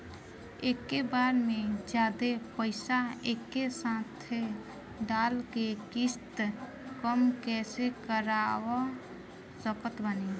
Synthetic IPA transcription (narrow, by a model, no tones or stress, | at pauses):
eːkːebaːɾmẽd͡ʒjaːd̪epəɪsaeːkːesãːt̪ʰe | ɖaːlkekɪst̪ | kəmkɛːsekəɾawo | səkət̪bəni